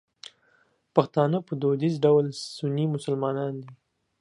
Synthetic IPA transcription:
paxt̪ɑnəpəd̪od̪izɖawlsunimʊsəlmɑnɑnd̪i

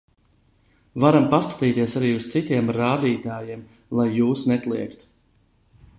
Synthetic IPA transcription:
vaɾampaskḁt̪iːt̪iɛsaɾiːust̪sit̪iɛmɾaːd̪iːt̪aːjiɛm | lˠajːuːsnɛt̪lˠiɛkt̪

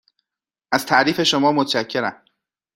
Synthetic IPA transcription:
ʔæz̥t̪ʰæʔɾiːfe̞ʃo̞mɒːmot̪ʰʃæcʰːe̞ɾæm

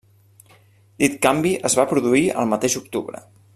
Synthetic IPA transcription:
d̪it̪kambiʔəzβapɾuðuiə̰lˠmət̪eʒuk̚t̪uβɾə̰

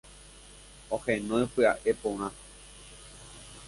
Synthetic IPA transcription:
ohẽnõjpɨa̰ʔe̞põɾ̃ã

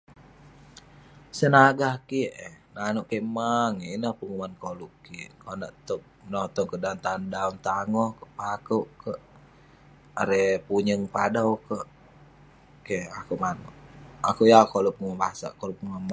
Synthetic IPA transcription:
sənaɡahkiʔenanuʔkemaŋeinahpuŋumankoluʔkikona̰ʔt̪ɔp̚nɔt̪ɔŋkədant̪andaunt̪aŋɔhkəpakuʔkəʔ | aɾepuɲəŋpadawkəʔ | keakuʔmanuʔakuʔjakolupuŋabaasa̰kolup̚uŋam

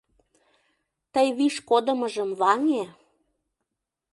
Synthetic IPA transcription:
t̪əjβiʃkod̪ə̆məʒəmβɑŋe

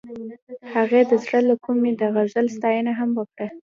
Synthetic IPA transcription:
haɣed̪əzɽəlakʰumed̪aɣaʒəlst̪ɑjənaɦamwəkɽa

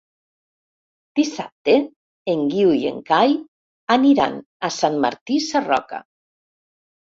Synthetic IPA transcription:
d̪̥isa̰p̚t̪e | eŋɡiwjḛŋkaj | aniɾa̰n | asanma̰ɾt̪isarɔ̰ka̰

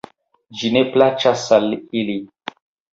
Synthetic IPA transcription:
d͡ʒineplat͡ʃasalili

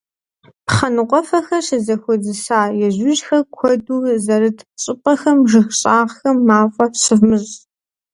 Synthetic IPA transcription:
pχɐnɨqʷʼɔfɐxɐɕɐzɐxʷɔzɨsaːjɛʑʊʑxɐkʷʰɔduːzɐɾɨtʰɕʼɪpʼɐxɐmʒɨxɕʼaːʁxɐmːaːfʷʼɐpsɨvmɨɕ

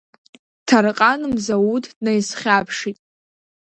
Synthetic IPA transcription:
tʰarqʼanɨmzawudnajsχʲapʰʂitʼ

